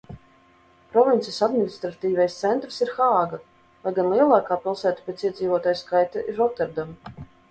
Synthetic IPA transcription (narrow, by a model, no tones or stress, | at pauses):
pɾɔvint̪sijsad̪minist̪ɾat̪iːvɛjst̪sɛnt̪ɾsiɾxaːɡa | vajɡanlˠiɛlˠɑːkaːpʲilˠsæːt̪u̥pʲet̪siɛd̪ziːvoɔt̪aːjskajt̪aʔiɾɔt̪ɛɾd̪am